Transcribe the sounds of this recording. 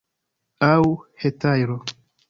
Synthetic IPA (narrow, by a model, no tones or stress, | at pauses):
awhetajɾo